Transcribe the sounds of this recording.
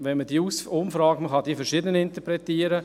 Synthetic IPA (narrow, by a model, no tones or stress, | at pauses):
ʋɛnməd̥iːusʊmfɾɑːɡ̚məχɑd̥iːəfɛɾʃidənəɪnt̪əpɾɛtiːəɾə